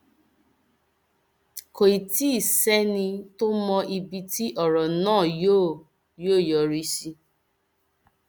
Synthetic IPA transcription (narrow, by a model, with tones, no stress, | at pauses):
ko˨i˨ti˦i˦˨sɛ˦nĩ˧to˦mɔ̃˧ʔi˧bi˧ti˦ʔɔ˦˨ɾɔ˨nãː˦˨jo˦˨ | joː˦˨jɔ˨˦ɾi˦si˧